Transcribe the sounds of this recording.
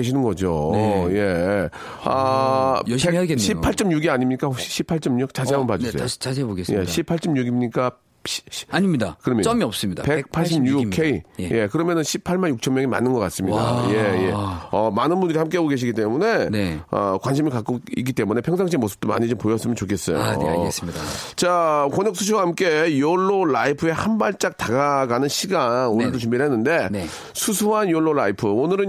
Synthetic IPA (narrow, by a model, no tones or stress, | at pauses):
keɕ̬ʰinɯnɡʌd͡ʑoje̞ | ʌ | eɕʰipʰaɭt͡ɕ͈ʌmɲuɡiaɲimɲik͈ahokɕi̥ɕʰipʰaɭt͡ɕ͈ʌmɲuk̚t͡ɕ͈aiamɯnpad͡ʑsʰej̰ot͡ɕaboɡesje̞ɕʰipʰaɭt͡ɕ͈ʌmɲuɡimɲik͈a | ɕaɲimɲidakɯɾʌmʌmiʌp̚s͈ɯmɲidape̞k̚pʰaɕ͈ʰimɲukʰeije̞kɯɾʌmjʌnɯnɕʰipʰːaɭmanjuk̚t͡ɕʰʌmːjʌŋema̰nːɯnɡʌk͈ats͈ɯmɲida̰je̞jeʌmanɯnbundɯɾihamk͈eaɡoɡe̞ɕ̬ʰiɡit͈e̞mune̞nʌ̰kwanɕʰimiɭkak͈oik̬͈ːit͈emune̞pʰjʌŋs̬ʰaŋɕ̬ʰimosʰɯ̥p̚t͈oma̰ɲit͡ɕompojʌs͈ɯmjʌnt͡ɕokʰe̞s͈ʌ̰jo̰st͡ɕakʌɲʌk̚sʰus̬ʰuwahamk͈e̞joɭːoɭaipʰɯe̞hanbaɭt͡ɕ͈ak̚taɡaɡanɯnɕʰiɡaŋonɯɭdot͡ɕumbiɭɦenːɯnde̞n | sʰusʰuɦanjoɭːoɭaipʰɯonɯɾɯn